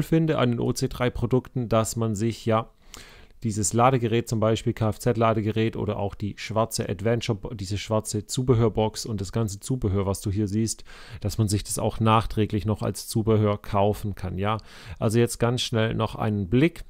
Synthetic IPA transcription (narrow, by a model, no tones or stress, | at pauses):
lfɪndəʔa̰ndeːnʔo̰ːt͡seːdʁaɪpʁ̥odʊktn̩dasmanzɪçjaː | d̥iːzəslaːɾəɡəʁɛːt̚t͡sʊmbaɪʃpiːlkʰaːɛft͡sɛtlaːɾəɡəʁɛːtʔo̰ːɾɐʔa̰ʊxd̥iːʃv̥aɐt͡səʔa̰tv̥ɛnt͡ʃɐbd̥iːzəʃv̥aɐt͡sət͡suːbəɦøːɐbɔksʊntd̥asɡ̥ant͡sət͡suːbəɦøːɐvasd̥uːɦiːɐziːstd̥asmanzɪçd̥asa̰ʊxnaːχtʁ̥ɛːklɪçnɔχa̰lst͡suːbəɦøːɐkʰaʊfn̩kʰanjaː | ʔalzojɛt͡st̚ɡ̥ansʃnɛlnɔχʔa̰ɪnənblɪk